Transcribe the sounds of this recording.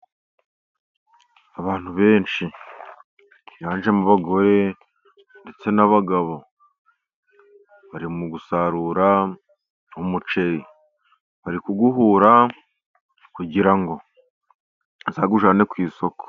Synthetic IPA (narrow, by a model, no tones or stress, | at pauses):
aβaːn̥huβe̞ːnt͡ʃi | jaːnʒe̞muβaɡo̞ɾe̞ | nde̞t͡se̞naβaɡaβo̞ | βaɾimuɡusaɾuɾa | umut͡ʃe̞ɾi | βaɾikuɡuɦuːɾa | kuɟiɾaŋɡo̞ | nzaːɡuʒaːne̞kwiːso̞ko̥